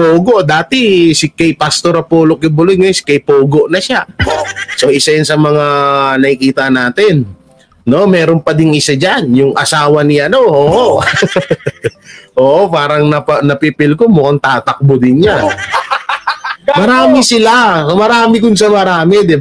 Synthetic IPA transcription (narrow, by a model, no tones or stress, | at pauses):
poːɡoʔd̪aːt̪ɪsɪkɐjpast̪oɾɐpoːlok̚jʊbʊloj̪̚ŋɐsɪ̥kɐjpoːɡoʔnɐʃa | so̞ʔɪsajansɐmɐŋanɐkɪkiːt̪ɐnaːt̪ɪnː | o̞mɛːɾompɐd̪ɪŋɪsad͡ʒanjʊŋʔɐ̰saːwɐnɪʔɐno̞ʔoːʔo | ʔoːʔopaːɾɐŋnɐpɐnɐpipɪlkomokɐŋt̪aːt̪ɐk̚bod̪ɪnɲa | mɐɾaːmɪsɪlamɐɾaːmɪkʊnsamɐɾaːmɛd̪ɪb